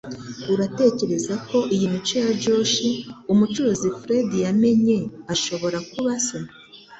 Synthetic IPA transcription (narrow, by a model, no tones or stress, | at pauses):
uɾate̞ːce̞ɾe̞zakʰo̞ʔijimit͡ʃojad͡ʒo̞ːʃiumut͡ʃuɾuzifɾe̞dijame̞ɲe̞aʃo̞βo̞ɾakuβasa